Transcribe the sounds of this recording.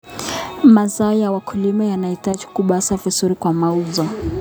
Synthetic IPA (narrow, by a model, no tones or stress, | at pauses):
mazaɔjawakʰulimajanaitad͡ʒikuɓasavisuɾikwamauzɔ